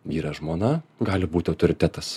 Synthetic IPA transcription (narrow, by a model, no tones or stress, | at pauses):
ʋʲiːɾɐʒmoːnɐɡɑːlʲɪbuːt̪ʲɪɐʊt̪oːɾʲɪt̪ʲæːt̪ɐs